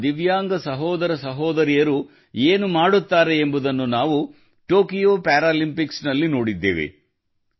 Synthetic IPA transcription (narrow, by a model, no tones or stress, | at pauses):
d̪iʋjaːŋɡɐsɐɦɔːd̪ɐɾɐsɐɦɔːd̪ɐɾijɐɾu | eːnumaːɽut̪ːaːɾeːmbud̪ɐnːunaːʋu | ʈoːkijoːpaːɾaːlimpiksnɐlːino̞ːɽid̪ːḛːʋḛ